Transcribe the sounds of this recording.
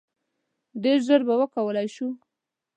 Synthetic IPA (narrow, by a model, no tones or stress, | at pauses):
d̪eʒəɾbawəkawəlajʃu